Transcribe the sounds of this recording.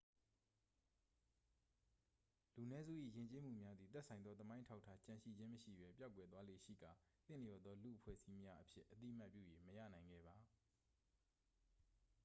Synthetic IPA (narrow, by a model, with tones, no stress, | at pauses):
lu˨nɛ˦zṵ˦˨ʔḭ˦˨jɪ̃˨ɲt͡ɕe˦m̥ṵ˦˨mja˦d̪ði˨t̪ɛ˦ʔsʰã˨ɪ̃nd̪ɔ˦t̪əmã˦ɪ̃ətʰa˦ʊtʰːa˦t͡ɕã˨ʃḭ˦˨d͡ʑɪ̃˦məʃḭ˦˨bɛ˦pja˦ʊkwɛ˨t̪wa˦le˦˨ʃḭ˦˨ɡã˨t̪ɪ̰̃˨jɔ˨d̪ðɔ˦lṵ˦˨ʔəpʰwɛ̰˦˨zi˦mja˦ʔəpʰjɪ̰˦ʔət̪ḭ˦˨m̥a˦pjṵ˦˨je˨məjä̰˦˨nã˨ɪ̃ŋɡɛ̰˦˨ba˨